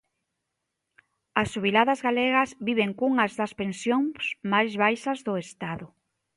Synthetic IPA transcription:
ɐsːuβilaðɐzɣaleɣɐzβiβeŋkuŋɐzðɐspẽnsjõŋsmajzβajʃɐzðʊest̪aðʊ

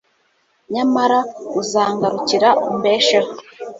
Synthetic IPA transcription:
ɲamaɾauzaːŋɡaɾuciɾaʔumbeːʃeho

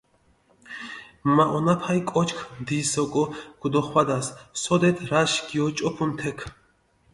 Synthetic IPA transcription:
maʔɔnapʰajkʼɔt͡ʃʰkʰmd̪isɔkʼɔɡ̥ud̪ɔχwad̪assɔd̪ɛt̪ʰɾaʃɡiɔt͡ʃʼɔpʰunt̪ʰɛkʰ

